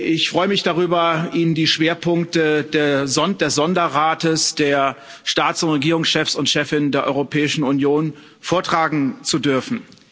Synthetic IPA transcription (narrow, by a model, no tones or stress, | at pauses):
ʔɪçfʁ̥ɔʏəmɪçd̥aʁyːbɐʔiːnəndiːʃv̥eːɐpʰʊŋk̚tədeːɐzɔnd̥eːsz̥ɔndɐʁaːtəsd̥eːɐ | ʃtaːt͡sʊntʁeɡiːʁʊŋsʃɛfsʊntʃɛfɪnəndeːɐʔɔ̰ʏʁopʰɛːɪʃn̩unjoːn | foːɐtʁ̥aːɡŋ̩t͡sudʏɐfn̩